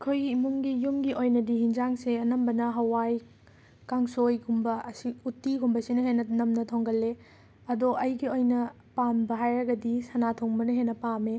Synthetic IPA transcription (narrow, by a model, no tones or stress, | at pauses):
kʰojimuŋɡijumɡiʔojnɐdihinzaŋseɐnɐmbɐnɐɦɐwaj | kaŋsojɡumbɐɐsiutːiɡumbɐsinɐhenːɐnɐmnɐtʰoŋɡɐlːe | ɐdoʔɐjɡiojnɐ | pambɐɦajɾɐɡɐdisɐnatʰoŋbɐnɐɦenːɐpame